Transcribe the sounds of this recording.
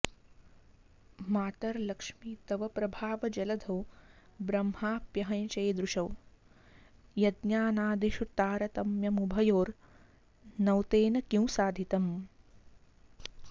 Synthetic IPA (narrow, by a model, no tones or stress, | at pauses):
maːt̪ɐɾlɐkʂmiːt̪ɐʋɐpɾɐbʱaːʋɐd͡ʒɐlɐd̪ʱɐwbɾɐmhaːpjɐɦɐ̃jt͡ʃɐjd̪ɾuʃɐw | jɐd̪njaːnaːd̪iʃut̪aːɾɐt̪ɐmjɐmubʱɐjoːɾ | nɐwt̪eːnɐkĩw̃saːd̪ʱit̪ɐm